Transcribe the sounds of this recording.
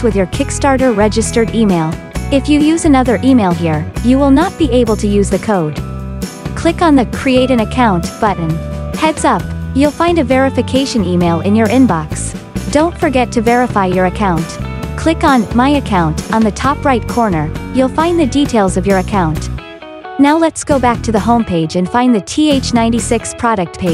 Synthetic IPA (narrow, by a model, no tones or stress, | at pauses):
wɨðjə˞kʰɪkstɑɹɾə˞ɹɛd͡ʒɨstə˞ɾimeɪlˠ | ɨfjɨjʉzɨnʌðə˞ʔimeɪlˠɦiɹjɨwɪlˠnət̚b̥iʔeɪbl̩ˠtʰɨjʉzðɨkʰoʊd̥ | kʰl̥ɪkn̩ðɨkʰɹ̥ieɪɾɨ̃ŋɨkʰãʊ̃ntb̥ʌʔn̩hɛdzʌp̚julˠfãɪ̃ndɨvɛɹɨfɨkʰeɪʃɨ̃nimeɪlˠɨ̰̃njə˞ʔɪ̃nbɑksd̥õʊ̃ntfə˞ɡɛtʰɨvɛɹɨfaɪjə˞ɨkʰãʊ̃ntkʰl̥ɪkn̩maɪɨkʰãʊ̃ntn̩ðɨtʰɑpɹaɪt̚kʰɔɹnə˞julˠfãɪ̃nðɨditʰeɪlˠzʌvjə˞ɨkʰãʊ̃nt | naʊlɛtsɡ̥oʊbæk̚tʰɨðəɦõʊ̃mpʰeɪd͡ʒɨ̃nfãɪ̃nðɨtʰieɪt͡ʃnãɪ̃ntisɪkspʰɹ̥ɑɾɨk̚t̚pʰeɪ̥